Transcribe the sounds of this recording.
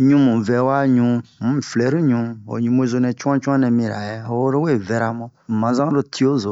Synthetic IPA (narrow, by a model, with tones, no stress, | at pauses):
ɲũ˦mũ˨vɛ˨˦wa˦ɲũ˨˦mũ˦˨flɛ˨˦ɾi˦ɲũ˧o̰˨ɲũ˨mo˦zo˧nɛ̃˨t͡ʃu˦ã˦t͡ʃu˦ã˦nɛ̃˨mĩ˧˨ɾa̰˨jɛ˦o˦wo˦ɾo˦we˦˨vɛ˨ɾa˨mõ˦˨mã˨zã˦ɾo˨tʰi˦o˦zo˨